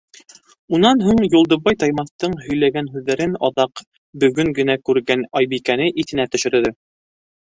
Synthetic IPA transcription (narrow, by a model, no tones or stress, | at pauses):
unɑnɦuɴjulˠd̪ɤ̆βɑjt̪ɑjmɑθt̪ɤɴɦɵ̆jlæɡænɦʉðːæɾɘnɑðɑq | bɵ̆ɡɵŋɡɘ̆nækʉɾɡænɑjbikænɘʔiθɘ̆næt̪ɵ̆ʃɵ̆ɾðɘ